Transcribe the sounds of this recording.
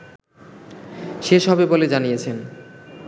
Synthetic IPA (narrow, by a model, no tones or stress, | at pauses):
ʃeʃɦɔbeboled͡ʑanijet͡ɕʰen